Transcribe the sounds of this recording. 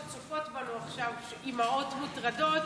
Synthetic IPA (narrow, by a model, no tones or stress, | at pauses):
t͡sufotbanuaχʃavʃimaotmutʁadot